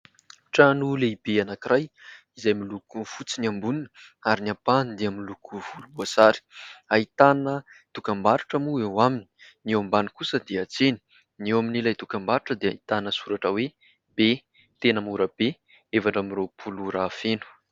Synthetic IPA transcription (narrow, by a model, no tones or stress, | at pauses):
ʈ͡ʂanuleibeanakirʔajizajmilukufut͡siniambuninəaɾiniapand̪eamilukuv̥ulubasaɾi̥ait̪anət̪ukambaɾuʈ͡ʂəmuewamini̥newambanikusəd̪eat͡seni̥ | newaminilajt̪ukambaɾuʈ͡ʂəd̪eait̪anəsuɾaʈ͡ʂəwe | be | t̪enəmuɾəb̥e | evaʈ͡ʂamiropʰuluɾaːfenu̥